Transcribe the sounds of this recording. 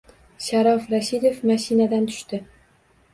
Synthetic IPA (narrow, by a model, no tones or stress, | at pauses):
ʃaɾɒfɾaʃid̪ofmaʃinad̪ant̪ʰʊ̥ʃt̪ɪ